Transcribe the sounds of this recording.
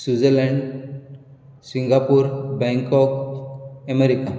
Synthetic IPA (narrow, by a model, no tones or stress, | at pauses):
sud͡zelɛɳɖ | sĩŋɡapuːɾbɛ̃ŋkɔk | əmeɾika